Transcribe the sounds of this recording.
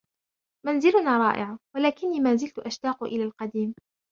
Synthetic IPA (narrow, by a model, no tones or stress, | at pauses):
manzɪlʊnaːɾˤɑ̰ːʔɪʕawalaːkɪnːiːmaːzɪlt̪ʊʔaʃt̪aːqʔɪlaːlqɑd̪iːm